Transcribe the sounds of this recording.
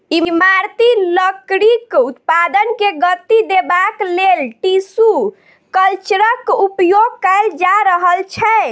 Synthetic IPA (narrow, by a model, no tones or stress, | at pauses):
imaɾt̪iləkɾikut̪pad̪ənkeɡət̪ːid̪ebaklelʈisu | kəlt͡ʃəɾəkupjoɡ̚kɛld͡ʒaɾəɦəlt͡ʃʰɛ